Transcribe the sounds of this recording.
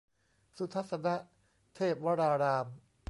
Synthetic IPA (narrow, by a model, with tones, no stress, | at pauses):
su˦t̪ʰa˦˥sa˧na˦˥ʔ | t̪ʰeː˥˩p̚wa˦˥ɾaː˧ɾaː˧m